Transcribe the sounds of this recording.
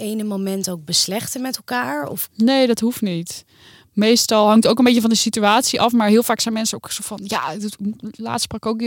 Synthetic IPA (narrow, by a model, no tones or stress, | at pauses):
ejnəmomɛntowk̚bəslɛχtəmɛtɛlˠkaːɹɔ̰fneːdɔtɦuftnit | mejstɑlˠɦɑŋktowkənbejcəvɔndəsityaːtsiʔɑfmaːɹɦɪəlˠfaːksɛjnmɛnsəoksofɔnjadla̰ːtsprɑkowk